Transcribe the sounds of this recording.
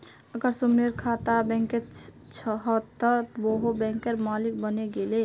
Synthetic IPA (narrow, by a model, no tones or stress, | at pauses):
əɡəɾsumeɾkʰat̪abɛ̃ŋket | t͡ʃʰɦɔt̪ːəboɦobɛ̃ŋkeɾmalik̚bəneɡele